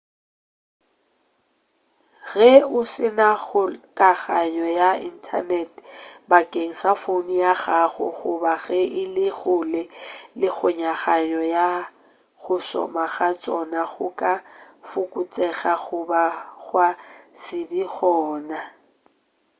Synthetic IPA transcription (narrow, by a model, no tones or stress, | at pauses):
ɣɛʊsɪnaɣʊkʼaɣaɲɔjaḭn̩tʰa̰nɛtʰbakʼeŋ̩safonijaɣaɣʊ̰ɣʊbaɣɛʔɪlɪɣʊlɛlɪɣʰʊɲaɣaɲɔja | ɣʊsɔ̰maɣat͡sʼɔnaɣʊkʼa | fʊkʼʊt͡sʼɛɣaɣʊbaɣwasɪbiɣɔːna